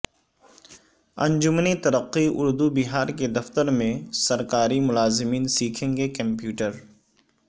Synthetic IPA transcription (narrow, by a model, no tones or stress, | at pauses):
ɐ̰̃ɲd͡ʒʊmnit̪ɐɾəqːiʊɾd̪ubɪɦaːɾked̪ɐft̪əɾmẽsɐɾkaːɾimʊlaːzɪmiːnsiːkʰẽːŋɡekɐ̃mpjuːʈəɾ